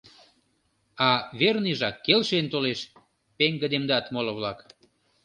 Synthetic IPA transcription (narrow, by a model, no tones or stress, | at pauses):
ɑβerniʒɑkːelʃent̪oleʃ | peŋɡəd̪emd̪ɑt̪moləβlɑk